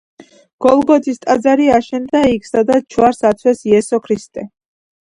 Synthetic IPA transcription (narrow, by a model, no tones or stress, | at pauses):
ɡ̥ɔlˠɡɔt̪ʰist̪ʼad̪zaɾiaʃɛnd̪aikʰsad̪at͡ʃʰwaɾsat̪sʰwɛsiɛsɔkʰɾist̪ʼɛ